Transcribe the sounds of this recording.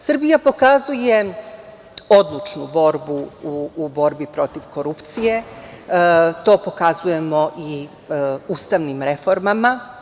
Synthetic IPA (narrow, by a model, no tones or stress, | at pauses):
sr̩bijapo̞kazuje̞ | od̪lˠut͡ʃnubo̞ɾbuː | bo̞ɾbipɾo̞t̪iʋko̞ɾupt̪sije̞ | t̪o̞ːpo̞kazuje̞mo̞ʔi | uːst̪aʋnimɾe̞fo̞ɾmama